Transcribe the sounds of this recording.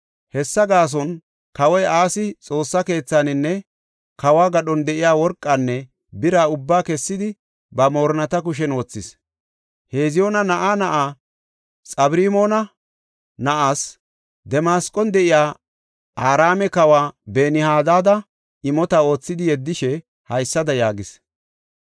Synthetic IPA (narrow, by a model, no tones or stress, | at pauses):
hɛsːɐɡaːs̬ɔn | kɐwɔjʔaːsɪt͡sʼo̞ːsːɐke̞ːt͡sːanɪnːɛ | kɐwaːɡɐɗɔnd̪ɛʔɪjaːwɔɾkʼːɐnːɛ | bɪɾaːʊbːaːkɛsːɪd̪ɪ | bɐmo̞ːɾnɐt̪ɐk̬ʊʃ̬ɛno̞ːt͡sːɪs | he̞ːzɪjo̞ːnɐnɐʔaːnɐʔaː | t͡sʼɐbɾiːmo̞ːnɐ | nɐʔaːs | d̪ɛmaːskʼɔnd̪ɛʔɪjaː | ʔaːɾaːmɛkɐwaːbe̞ːnɪhaːd̪aːd̪ɐ | ɪmɔt̪ao̞ːt͡sːɪd̪ɪjɛd̪ːɪʃɛ | hɐjsːɐd̪ɐjaːɡɪs